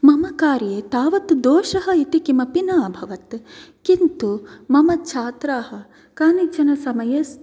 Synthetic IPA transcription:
mɐmɐkaːɾjeːt̪aːʋɐt̪d̪oːʃɐɦɐit̪ikimɐpinaːbʱɐʋɐt̪kint̪umɐmɐt͡ʃʰaːt̪ɾaːɦɐ̆ | kaːnit͡ʃɐnɐsɐmɐjɐs

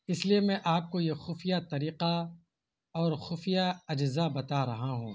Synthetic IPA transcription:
ɪsliemɛ̃ʔaːp̚kojexʊfijat̪ɐɾiːqa | ɔːɾxʊfijaɐd͡ʒzabɐt̪aɾɐɦaɦṵ̃ː

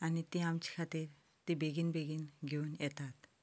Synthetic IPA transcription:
anit̪iamt͡ɕi̥kʰat̪iɾ | t̪ibeɡinbeɡinɡʱeunet̪at̪

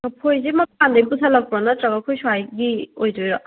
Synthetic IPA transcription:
mɐpʰojzemɐp̚ʰandɐjbusʰɐlɐk̚pɾɔnɐtɾɐɡɐkʰojsuajɡiojd͡ʒojɾɐ

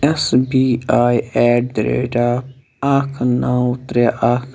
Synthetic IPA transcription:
ɛsbiːaːiɛːʈ̚d̪ɾḛːʈaː | akʰnãːʊt̪ɾjaʔakʰ

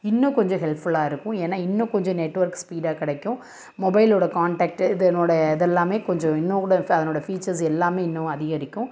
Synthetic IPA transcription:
ɪnːʊ̃kɔɲd͡ʒɔ̃ɦɛlpfʊlaːɪɾɯkːʊ̃eːnːaːɪnːʊ̃kɔɲd͡ʒɔ̃nɛʈːʋɐɾkspiːɖaːkɪɽɐkːʊ̃ | mɔbɐɪloːɽɐkaːɳʈaːk̚ʈɪðɐnoːɽɐɪðɛlːaːmeːkɔɲd͡ʒɔ̃ɪnːõɽɐɐðɐnoːɽɐfiːt͡ʃɐɾs̬ɛlːaːmeːɪnːʊ̃ɐðɪɣɐɾɪkʲːʊ̃

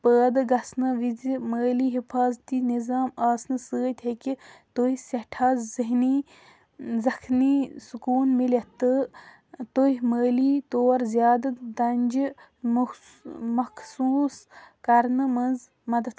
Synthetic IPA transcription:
pəːd̪ɨɡɐsnɨʋid͡zməːliːɦipʰaːzt̪iːnizaːmaːsnɨsəːt̪ʲʰhekit̪oɦisɐʈʰaːzziɦniː | zɐkʰniːsukuːnmilʲɐt̪ːɨ | t̪oɦiməːliːt̪oːɾzʲjaːd̪ɐd̪ɐnʲd͡ʒ | mɐkʰsuːskɐɾnɨmɐnz | mɐd̪ɐt̪ʰ

